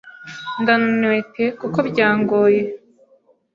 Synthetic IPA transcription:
ndannwetekukobɟaːŋɡoːje

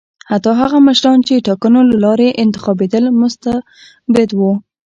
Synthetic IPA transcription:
hat̪ɑɦaɣaməʃɾɑnt͡ʃeʈɑkənolalɑɾeʔɪnt̪ɪ̥xɑbed̪əlmʊst̪a | bɪd̪wu

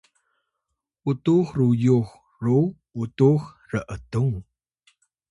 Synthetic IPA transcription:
ʔutuxrujux | ru | utux | rəʔətuŋ

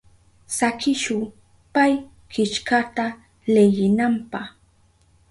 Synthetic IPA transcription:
sakɪʃʊ | paj | kɪt͡ʃkat̪a | lejɪnampɑχ

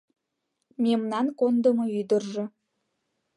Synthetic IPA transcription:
mʲemnɑnkond̪ə̆mɤ̆yd̪ə̆rʒɤ̆

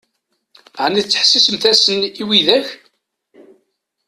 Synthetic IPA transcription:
ʕnit͡sːə̥ħsisəmθæsəniwiðæç

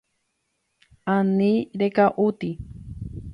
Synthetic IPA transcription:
aniɾekaʔut̪i

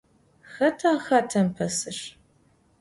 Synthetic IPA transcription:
xɐtʰɐxɐtʰɐmpʰɐsɨʂ

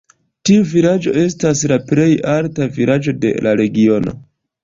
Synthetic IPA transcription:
tiuviɾad͡ʒo̞̰e̞s̬taslaple̞jaltaviɾʔad͡ʒo̞de̞̰laɾe̞ɡio̞no̞̰

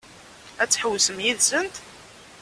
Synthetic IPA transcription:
æt͡sːħəwsəmjiðsənt̪

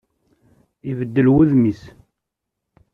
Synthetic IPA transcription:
ivəd̪ːəlwuðmis

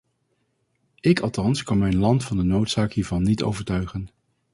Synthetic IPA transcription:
ɪkɑlˠtɑnskɑnmɛjnlɑntfɑndənowtsaːkɦiːɹvɑnːito̰wvəɹtœɥχən

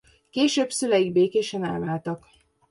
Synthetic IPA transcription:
keːʃøːbsylɛjiɡ̚beːkeːʃɛnɛːlvaːlt̪ɒk

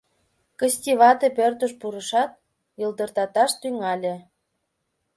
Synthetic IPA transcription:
kəsʲtʲiβɑt̪epørt̪əʃpuɾəʃɑt̪̚ | jɤld̪ərt̪ɑt̪ɑʃt̪yŋɑlʲĕ

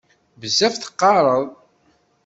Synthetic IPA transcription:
vəzæfθə̥qːɑɾˤəðˤ

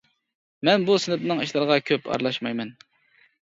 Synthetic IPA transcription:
mɛnbusɪnɪpnɨŋiʃlˠɨɾəʁɑkʲʰøpʰɑ̰ɾlˠɑʃmɑjmɛn

